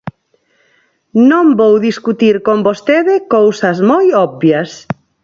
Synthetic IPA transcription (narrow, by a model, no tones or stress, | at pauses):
nõmbowðiskut̪iɾkombost̪eðɪkowsɐzmojɔbbjɐs